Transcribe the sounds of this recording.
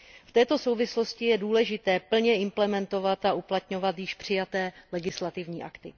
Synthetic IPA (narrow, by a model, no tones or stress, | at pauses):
ft̪ɛːt̪o̞sowvɪslo̞scɪjɛduːlɛʒɪt̪ɛːpl̩ɲɛɪmplɛmɛnt̪o̞vat̪aʔuplat̪ɲo̞vat̪jɪʃpr̝̥ɪjat̪ɛːlɛɡɪslat̪ɪvɲiːʔa̰kt̪ɪ̰